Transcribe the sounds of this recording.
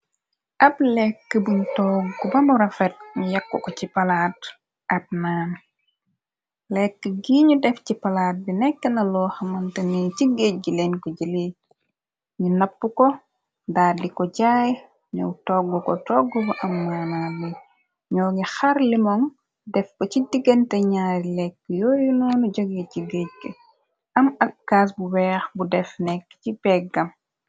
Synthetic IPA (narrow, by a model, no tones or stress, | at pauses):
ʔɐblɛkːəbuɲtɔːɡubɐmɔɾɐfɛt̚ɲujɐkːukɔcipɐlaːt | ʔɐt̚naːn | lɛkːəɡiːɲudɛfcipɐlaːt̚binɛkːənɐlɔːxɐmɐntəniːciɡec̚ɟilɛnkɔɟili | ɲunɐpːukɔ | daːikɔɟaːj | ɲɔ̰wtɔɡːukɔtɔɡːɔkɔʔɐmːanalːi | ɲɔːɡixɐɾlimɔŋ | dɛfkocidiɡəntɛɲaːɾlɛkːjɔːjunuːnuɟoɡɛciɡec̚ɡə | ɐmɐkːaːs̬buwɛːxbudɛfnɛkːcipɛɡɐm